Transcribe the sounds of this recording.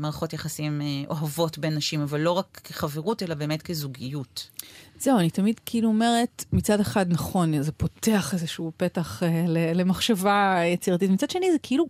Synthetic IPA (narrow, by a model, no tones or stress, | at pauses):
maʁaχo̞tjaχasimʔo̞ɦavo̞tbenːaʃimavalːo̞ʁakːeχaveʁutelabe̞ːmetkezuɡijutz̥e̞uanitamidkʰiiluome̞ʁe̞tmit͡sade̞χadnaχo̞nzepo̞teaχezeʃuːpe̞taχelele̞maχʃavajet͡siʁat̬itmit͡sad̪ʃe̞nizekʰeilu